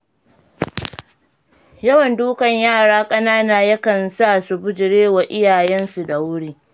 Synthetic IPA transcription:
jɐ˦wɐ˨nduː˦kɐ˨ɲjaː˦˨ɽaː˦kʼɐ˦naː˦naː˨jɐ˦kɐ˨nsa˦˨su˨bʊ˦d͡ʒɪ˨ɽeː˦wa˨ʔɪ˦jaː˨jɛ˦nsu˨da˨wʊ˦ɽiː˦

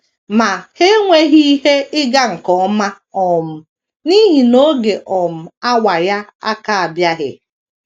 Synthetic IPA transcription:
ma˨he˦ŋʷe˦ɦi˦ɦe˦ɪ˦ɡa˦ŋ̩˨kɔ˨ma˦ | ɔ˨m̩˨ | ni˦ɦi˨no˦ɡe˨ʔɔ˨m̩˨a˦wa˨ja˦a̰˦ka˨a˨bja˦ɦɪ̰˨

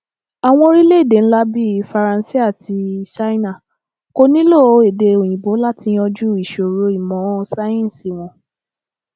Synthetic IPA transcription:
a˨w̃ɔ̃˧o˧ɾi˦le˦i˦˨de˨ñ̩˦la˦bi˦˧˦fa˧ɾã˧n˦si˦a˦˨ti˧sa˦i˦nã˦˨ | ko˧nĩ˦lo˦˨o˧e˨de˧o˨j̃ĩ˨bo˨˦la˦tĩ˧˦ɔ˧d͡ʒu˦i˦˨ʃo˨ɾo˨˦i˦˨mɔ̃˨˦˧sa˦ĩ˦n˨si˨w̃ɔ̃˨˦

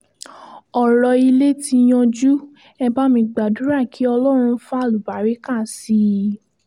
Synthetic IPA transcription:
ɔ˨ɾɔ˧i˧le˦ti˧j̃ɔ̃˧d͡ʒu˦ | ɛ˧ba˦mĩ˧ɡ͡ba˨du˨˦ɾa˦˨kʰi˨˦ɔ˧lɔ˦˨ɾ̃ũ˧fa˦˨lu˨ba˨˦ɾe˨˦ka˦˨si˨˦

